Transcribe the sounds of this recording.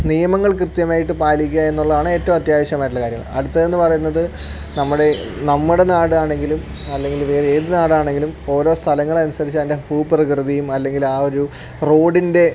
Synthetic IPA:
nijɐmɐŋːɐɭkrɨt̪jɐmaːjiʈːɨpaːlikʲːae̞nːuɭːɐðaːɳɨe̞ːtːɐʋɐmɐt̪jaːʋɐɕjɐmaːjiʈ̬ːulːɐkaːɾjɐŋːɐɭɐ̰ɽut̪ːɐðe̞nːɨpɐrɐjunːɐðɨ | nɐmːuɽe̞nɐmːuɽe̞naːɽɨaːɳe̞ŋɡilum | ɐlːe̞ŋɡilʋe̞ːre̞ːðɨnaːɽɨaːɳe̞ŋɡilumo̞ːɾo̞ːst̪ʰɐlɐŋːɐɭɐnusɐɾit͡ɕːɐðndehuːprɐkrɨðijumɐlːe̞ŋɡilaːo̞ɾu | ro̞ːɖinde̞

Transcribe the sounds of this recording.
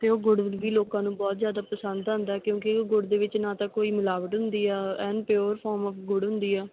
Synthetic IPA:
t̪eːoːɡʊɖʋiːloːkãːnũːbɔːt̪zjaːd̪aːpəsə̃nd̪ɦə̃nd̪aːɛːkjõːkɪoːɡʊɖd̪eːʋɪt͡ʃnãːt̪ãːkoːiːmʊlaːʋəʈɦʊ̃nd̪iːɛːɛːnpjoːəɾpʰɔːɾmɔːfɡʊɽɦʊ̃nd̪iːɛː

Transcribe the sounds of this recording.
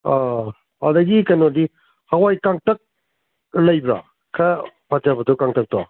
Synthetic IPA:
a | adɐɡikɐnodi | hawajkaŋtɐk̚ | lɐjbɾa̰ | kʰɐ | patabɐtukaŋtɐk̚ta

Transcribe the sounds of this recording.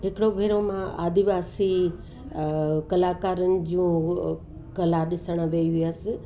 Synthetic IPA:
ɦɪkɪɽobʱeːɾomãaːd̪iʋaːsi | kɐlaːkaːɾənɪ̆d͡ʑũː | kɐlaɗɪsəɽ̃ʋeiʋiəsɪ̆

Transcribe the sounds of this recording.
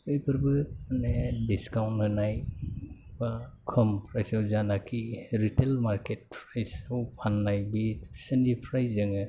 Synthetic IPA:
ɯjpʰɯɾbɯmanediskawnthɯnaj | bakʰəmpʰɾajsɯwzanakʰiɾitelmaɾket̚pʰɾajsɯwpʰanːajbisendipʰɾajzɯŋɯ

